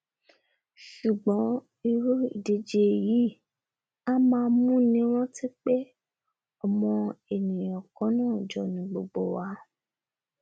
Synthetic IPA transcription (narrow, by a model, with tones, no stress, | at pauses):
ʃu˨ɡ͡bɔ̃˨˦ | i˧ɾo˦i˨de˨˧d͡ʒe˧ji˨˦ | a˦mãː˧˦˧mũ˦nĩ˨˦w̃ɔ̃˦ti˦k͡pe˦ | ɔ˨mɔ̃˧e˨nĩ˨jɔ̃˨kɔ̃˨˦nãː˦˨d͡ʒɔ˧˦nĩ˨˦ɡ͡bo˧ɡ͡bo̰˨wa˨˧˦